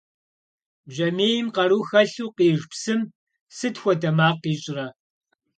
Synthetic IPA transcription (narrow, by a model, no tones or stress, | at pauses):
ʒɐmeːjɪmqɐɾuːxɐɬuːqiːʒpsɨm | sɨtxʷɔdɐmaːqːiːɕʼɪrɐ